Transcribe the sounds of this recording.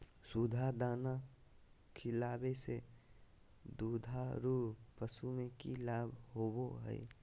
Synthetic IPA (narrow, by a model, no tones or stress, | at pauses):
sud̪ʱad̪aːna | kʰɪlaːbese | d̪uːd̪ʱaɾuːpəsumẽkilaːbʱɦoːboɦɛ̰i